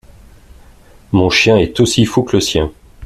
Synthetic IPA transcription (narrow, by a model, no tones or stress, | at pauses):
mɔ̃ʃjɛ̃ɛt̪osifukləsjɛ̃